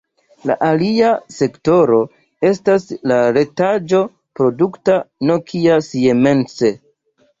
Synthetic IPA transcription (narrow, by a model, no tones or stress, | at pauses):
la̰ʔaliase̞kto̞ɾo̞ | e̞staslaɾe̞tad͡ʒo̞ | pɾo̞duktano̞kʰiasieme̞nt͡se̞